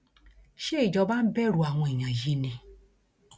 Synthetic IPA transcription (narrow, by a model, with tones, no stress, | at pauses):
ʃe˦i˦˨d͡ʒɔ˧ba˦n̩˦bɛ˦ɾu˧˦a˨w̃ɔ̃˧e˨ɲ̃ã˨ji˦nĩ˧